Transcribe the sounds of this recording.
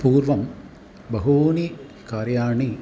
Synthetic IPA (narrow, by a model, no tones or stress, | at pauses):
puːrʋɐm | bɐɦoːni | kaːɾjaːɳi